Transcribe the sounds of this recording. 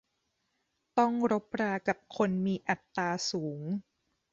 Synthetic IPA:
t̪ɔ˥˩ŋɾo˦˥p̚ɾaː˧ka˨˩p̚kʰo˧nmiː˧ʔa˨˩t̪ːaː˧suː˩˦ŋ

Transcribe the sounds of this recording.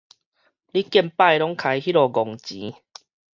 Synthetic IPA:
li˦kjɛ˥˧˨mpa˥˧˨jlɔ˦ŋkʰa˧jɦi˦˥ɾɔ˨˧˩ɡɔ˨ŋt͡ɕḭ˨˦

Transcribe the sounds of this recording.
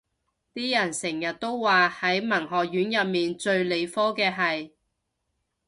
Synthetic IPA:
t̪iː˥jɐ˨˩nsɪ˨˩ŋjɐ˨t̚t̪o˥wwaː˨hɐ˨˥jmɐ˨˩ŋɦɔː˨˩jyː˨˥njɐ˨p̚miː˨nt͡ʃɵ˧ɥle˨˧jfɔː˥kɛː˧ɦɐ˨j

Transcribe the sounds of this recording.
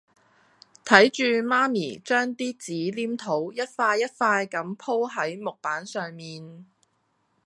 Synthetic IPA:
t̪ʰɐ˨˥jt͡ʃyː˧maː˥mḭː˨˩t͡ʃœː˥ŋt̪iː˥t͡siː˨˥liː˥mt̪ʰo˨˥wjɐ˥t̚faː˧jːɐ˥t̚faː˧jkɐ˨˥mpʰo˥wɦɐ˨˥jmʊ˨k̚paː˨˥nsœː˨ŋmiː˨n

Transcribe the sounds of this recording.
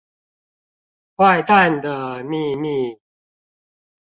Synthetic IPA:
wwa˥˧ɪt̪a˥˨nd̪ə˨mi˥˧˨mi˥˨

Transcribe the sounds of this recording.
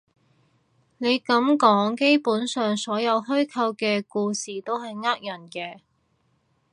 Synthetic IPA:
ne˨˧jkɐ˨˥mkɔː˨˥ŋke˥jpuː˨˥nsœː˨ŋsɔː˨˥jɐ˨˧wɦɵ˥ɥkʰɐ˧wkɛː˧kuː˧siː˨t̪o˥wɦɐ˨jŋaː˥k̚jɐ˨˩nkɛː˧

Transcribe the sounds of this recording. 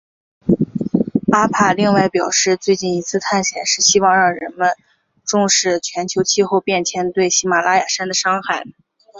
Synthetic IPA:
a˥pʰa˥˩li˥˧ŋwa˥˩ɪpjɑ˨˩ʊʂɻ̩˥˧t͡swe˥˧ɪt͡ɕi˥˩ni˧˥t͡sʰɹ̩˥˧t̪ʰa˥˩nɕjɛ˨˩nʂɻ̩˥˩ɕi˥wɑ˥˧ŋɻɑ˥˩ŋɻə˧˥nmə˧n | ʈ͡ʂʊ˥˧ŋʂɻ̩˥˩t͡ɕʰɥɛ˧˥nt͡ɕʰjo˧˥ʊt͡ɕʰi˥˧xo˥˧ʊpjɛ˥˩nt͡ɕʰjɛ˧˥nt̪we˥˩ɪɕi˧˥ma˨˩la˥ja˨˩ʂa˥nd̪ə˨ʂɑ˥ŋxa˥˩ɪ

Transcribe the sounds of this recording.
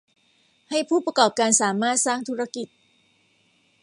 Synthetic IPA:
ha˥˩jpʰuː˥˩pɾa˧kɔː˨˩p̚kaː˧nsaː˩˦maː˥˩t̪̚saː˥˩ŋt̪ʰuː˦˥ɾa˧˥˩ki˨˩t̪̚

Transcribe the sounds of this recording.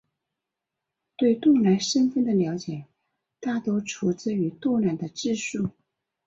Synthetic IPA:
t̪we˥˧ɪt̪ʊ˥˩ŋla˧˥nʂə˥nfə˥˩nd̪ə˩ljɑ˧˥ʊt͡ɕjɛ˨˩˦ | t̪a˥˩t̪o˥ʊʈ͡ʂʰu˧˥t͡sɹ̩˥˧y˧˥t̪wɔ˥˧la˨˩nd̪ə˦ʈ͡ʂɻ̩˥˧ʂu˥˩

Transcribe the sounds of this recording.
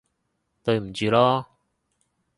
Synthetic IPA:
t̪ɵ˧ɥm̩˨˩t͡ɕyː˨˧lɔː˥

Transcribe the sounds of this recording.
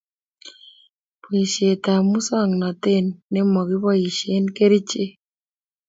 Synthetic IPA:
po˨i˨ʃe˨t̪a˨mu˦sɔ˦˨ŋnɔ˨t̪ɪ˦˨nːɪ˦mɔ˨ɡɪ˦bɔ˦i˨ʃe˦nke˦ɾi˦t͡ʃe˦

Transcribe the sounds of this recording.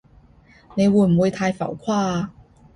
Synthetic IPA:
ne˨˧˦wə˨˩m˨wə˨˧˥t̪ʰa˧˥jfa˨˩ʊkʰwa˥˩˨

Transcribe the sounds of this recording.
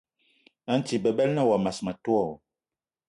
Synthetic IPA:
a˦n˦ti˨bə˨bɛ˦lnə˦wa˨ma˨sma˨tu˦ɔ˦˨

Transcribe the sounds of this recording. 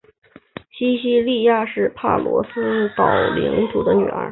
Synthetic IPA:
ɕi˥ɕi˥li˥˧ja˥˧ʂɻ̩˥˧pʰa̰˥˩lwɔ̰˧˥sɹ̩˥t̪ɑ˨˩ʊli˧˥ŋt̪ʰu˨˩d̪ə˦ny̰˨˩ə̰˞˧˥

